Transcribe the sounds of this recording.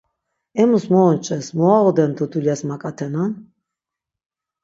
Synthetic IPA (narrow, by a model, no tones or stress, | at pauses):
ɛmusmɔːnt͡ʃʼɛsmɔaʁɔd̪ɛnd̪ʰɔd̪ʰuljasmakʼat̪ʰɛnan